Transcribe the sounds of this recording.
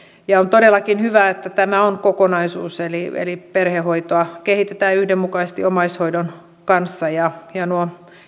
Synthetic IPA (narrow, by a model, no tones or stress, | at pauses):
jɑont̪odelːɑkinhyʋæet̪ːæt̪æmæonkokonɑisuːseliḛliperhehoit̪oɑkehit̪et̪æːyhdemukɑisest̪iomɑishoidon | kɑnsːɑjɑjɑnuo